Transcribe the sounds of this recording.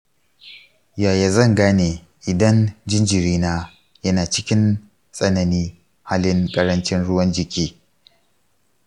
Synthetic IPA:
jaː˨ja˨zɐ˦˨ŋɡaː˦neː˨ | ʔɪ˨dɐ˦nd͡ʒɪ˦nd͡ʒɪ˨ɾiː˦naː˦ | jɐ˦naː˨t͡ʃɪ˦kʲɪ˦n | sʼɐ˦nɐ˨niː˦ | haː˦lɪ˦ŋkʼɐ˦ɾɐ˦nt͡ʃɪ˦nɽʊ˦wɐ˦nd͡ʒɪ˨kʲiː˦

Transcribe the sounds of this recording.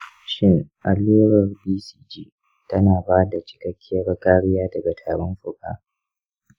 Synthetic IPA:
ʃɪ˦ŋʔa˨leː˦ɾɐ˨rbiː˦si̥ː˦d͡ʒiː˦ | tɐ˦naː˨baː˦da˨t͡ʃɪ̥˨kɐ˦kʲʰːɪ˦jɐ˦ɽɐ˦kʼaː˦ɽɪ˦jaː˦dɐ˨ɡɐ˨tʰaː˨ɾɐ˦mɸʊ˨ka̰ː˦

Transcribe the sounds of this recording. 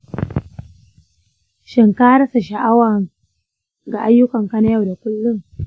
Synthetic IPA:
ʃɪ˨ŋkaː˦ɾa˦sa˨ʃa˨ʔa˦wa˨ŋ | ɡa˨ʔa˦jːʊ˦kɐ˨ŋka˦na˦ja˨wda˨kʊ˦lːʊ˦ŋ

